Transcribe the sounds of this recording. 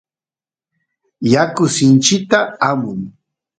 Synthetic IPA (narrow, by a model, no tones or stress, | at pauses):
jakʊsɪnt͡ʃɪk̚t̪aamʊŋ